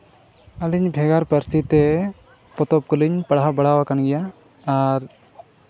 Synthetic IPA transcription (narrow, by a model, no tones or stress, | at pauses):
əliɲbʱɛɡaɾpɾəɾst̪it̪ɛ | pɔt̪ɔp̚kəliɲpəɽɦabəɽawakanɡɛjaː | ɾ